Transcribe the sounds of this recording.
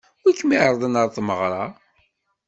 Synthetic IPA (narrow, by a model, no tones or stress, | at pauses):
kːmiʕɾˤəðˤənəɾˤθməʁɾˤɑ